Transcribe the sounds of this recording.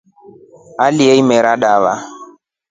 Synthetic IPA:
aliɛimɛɾaɗaβa̰

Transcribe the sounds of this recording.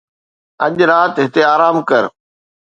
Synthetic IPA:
ɐʄɾaːt̪ɦɪt̪eaːɾaːmkɐɾ

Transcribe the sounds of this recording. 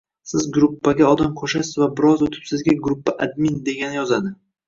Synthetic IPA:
sɪzɡɾupːaɡʲaɒd̪amqʰoʃasɪzvabɪɾɒzot̪ʰɪ̥psɪzɡʲaɡɾʊpːaʔad̪̚mind̪e̞ɡʲanɪjɒzad̪ɪ

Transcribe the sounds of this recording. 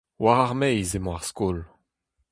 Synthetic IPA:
waʁaʁmɛjzemɔ̃aʁskol

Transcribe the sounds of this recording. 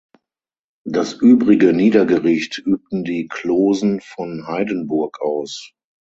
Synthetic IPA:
d̥asʔyːbʁɪɡəniːdɐɡəʁɪçtʔyːp̚tn̩diːkʰl̥oːzn̩fɔnhaɪdənbʊɐkʔaʊs

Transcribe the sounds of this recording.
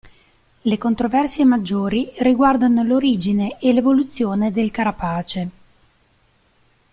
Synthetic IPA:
lekont̪ɾovɛrsjemad͡ʒːoːɾiriɡward̪anoloɾiːd͡ʒineʔelevolut̪sːjoːned̪elkaɾapaːt͡ʃe

